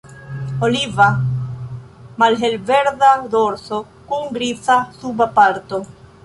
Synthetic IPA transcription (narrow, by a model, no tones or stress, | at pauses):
oliva | malɦelveɾðad̪oɾso | kuŋɡɾisasubapaɾt̪o